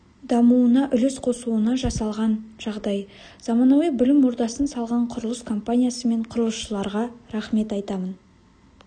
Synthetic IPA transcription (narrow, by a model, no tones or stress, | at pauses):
d̪ɑmuənɑʔʏlɪsqʰo̞suənɑʒɑsɑlˠʁɑnʒɑʁd̪ɑj | z̥ɑmɑnɑwijbɪlɪmːʊɾd̪ɑsənsɑlˠʁɑɴqʰʊɾəlˠəskʰo̞mpanʲijasəme̞ɴqʰʊɾəlˠəsʃəlˠɑɾʁɑɾɑχme̞t̪ɑjt̪ɑmən